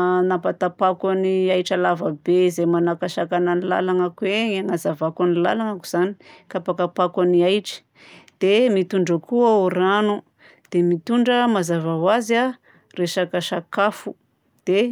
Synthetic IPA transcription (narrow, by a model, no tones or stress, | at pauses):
napat̪apakaniajʈ͡ʂalavəbeizemanakaʃakananila̰laŋakuweŋaŋazavakanila̰laŋaku̥z̥ani̥kapakapakwaniajʈ͡ʂi̥ | d̪̥emit̪uɳɖ͡ʐəkuauranu | d̪̥emit̪uɳɖ͡ʐəmazavawaza | reʃakaʃakafu | d̪̥e